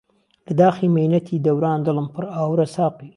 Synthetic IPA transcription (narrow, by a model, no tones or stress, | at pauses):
ləd̪ɑximanat̪ʰid̪awɾɑːnd̪ələmpəɾawɾasɑːqi